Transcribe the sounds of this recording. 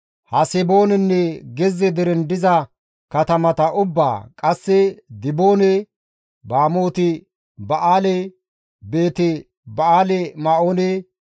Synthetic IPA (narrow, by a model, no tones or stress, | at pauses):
hɐsɛbo̞ːnɛnːɛɡɛzːɛd̪ɪɾɛnd̪ɪzɐ | kɐt̪ɐmɐt̪ɐʔʊbːa̰ːkʼɐsːɛd̪ɪbo̞ːnɛ | baːmo̞ːt̪ɪ | bɐʔaːlɛ | be̞ːt̪ɛ | bɐaːlɛmaoːnɛ